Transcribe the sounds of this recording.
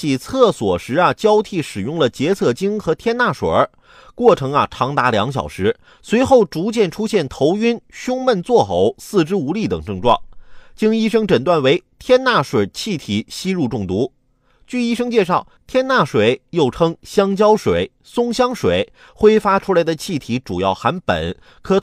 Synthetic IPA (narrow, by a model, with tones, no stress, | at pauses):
i˨˩t͡sʰɤ˥˩swɔ˨˩ʂɻ̩˧˥ɐ˧˨t͡ɕjɑ˥ʊt̪ʰi˥˩ʂɻ̩˨˩jʊ˥˩ŋlə˩t͡ɕjɛ˧˥t͡sʰɤ˥˩t͡ɕi˥ŋxɤ˧˥t̪ʰjɛ˥nna˥˩ʂwḛ˨˩ə˧ | kwɔ˥˩ʈ͡ʂʰɤ˧˥ŋɐ˧ʈ͡ʂʰɑ˧˥ŋt̪a˧˥ljɑ˧˥ŋɕ̬jɑ̰˨˩ʊʂɻ̩˧˥ | swe˧˥ɪxo˥˩ʊʈ͡ʂu˧˥t͡ɕjɛ˥˩nʈ͡ʂʰu˥ɕjɛ˥˩nt̪ʰo˧˥ʊy˥nɕʊ˥ŋmə˥˧nt͡swɔ˥˩xo˧˥˦ʊsɹ̩˥˧ʈ͡ʂɻ̩˥u˧˥li˥˩t̪ɤ˨˩ŋʈ͡ʂɤ˥˧ŋʈ͡ʂwɑ̰˥˩ŋt͡ɕi˥ŋi˥ʂɤ˥ŋʈ͡ʂə˨˩nt̪wa˥˩nwe˧˥ɪt̪ʰjɛ˥nna˥˩ʂwe˨˩t͡ɕʰi˥˩t̪ʰi˨˩˥ɕi˥ɻu˥˧ʈ͡ʂʊ˥˩ŋt̪u˧˥ | t͡ɕy˥˩i˥ʂɤ˥ŋt͡ɕjɛ˥˧ʂɑ˥˩ʊt̪ʰjɛ˥nna˥˩ʂwe˨˩ɪjo˥˩ʊʈ͡ʂʰɤ˥ŋɕjɑ˥ŋt͡ɕjɑ˥ʊʂwe˨˩˦ɪ | sʊ˥ŋɕjɑ˥ŋʂwe˨˩˦ɪ | xwe˥ɪfa˥ʈ͡ʂʰu˥la˧˥ɪd̪ə˧t͡ɕʰi˥˩t̪ʰi˧˥ʈ͡ʂu˨˩jɑ˥˩ʊxa˧˥npə̰˨˩˦n | kʰɤ˧˥